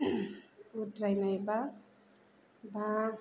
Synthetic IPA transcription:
utɾajnajba | baɡ

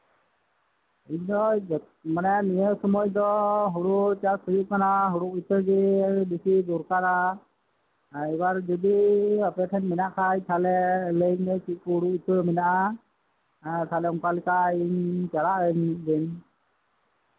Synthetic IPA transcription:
iɲd̪ɔ | manɛanijəsɔmɔjd̪ɔɦuɽut͡ʃakʰujuʔkanaɦuɽuʔit̪ʰəɡɛbisid̪uɾkaɾa | ɛbaɾd͡ʒɔd̪iapɛt̪ʰɛnmɛnaʔkʰajt̪ʰalɛleɲnɛt͡ʃiʔ̚kuɦuɽuʔit̪ʰəɾmɛnaʔa | t̪ʰalɛɔŋkalikaiɲt͡ʃaɾaʔəɲd̪ɛn

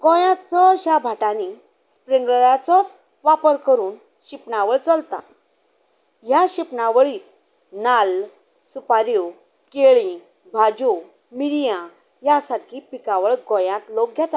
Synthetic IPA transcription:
ɡɔ̃jãt̪t͡sɔɾɕabʱaʈani | spɾiŋɡɭəɾat͡sɔt͡s | ʋapəɾkəɾuːn | ɕipnaʋəɭt͡səlt̪a̰ | jaɕipnaʋəɭiːt̪ | nal | supaɾju | keɭĩ | bʱad͡ʑu | miɾjã | jasakʰiːpikaʋəɭɡɔ̃jãt̪lok̚ɡʱjat̪a

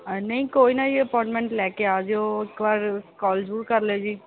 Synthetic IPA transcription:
nɐɦĩkoːinaiəpɔːʈmẽɳʈlɛːkeaːd͡ʒoɪkbaːɾkɔːld͡ʒɾuːɾkɐɾled͡ʒiː

